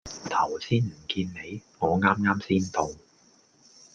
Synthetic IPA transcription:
t̪ʰɐ˨˩wsiː˥nm̩˨˩kiː˧nːe˨˧jŋɔː˨˧ŋaː˥mŋaː˥msiː˥nt̪o˨w

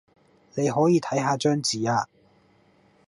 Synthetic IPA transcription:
ne˨˧jɦɔː˨˥jiː˨˧t̪ʰɐ˨˥jɦaː˧t͡ʃœː˥ŋt͡siː˨aː˧

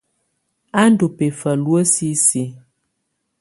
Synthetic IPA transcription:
a˦n̩˦do˨pe˨fə˨lwə˦si˦si˨˦

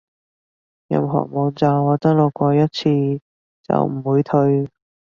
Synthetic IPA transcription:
jɐ̰˨˧mɦɔ̰ː˨˩k̚mo˨˧wt͡saː˨˧wɔː˨˧t͡sɐ˥lo˨˩kʷɔː˧jɐ˥t̚t͡sʰiː˧ | t͡sɐ̰˨˩wm̩˨˩wuː˨˧jt̪ʰɵ˧ɥ

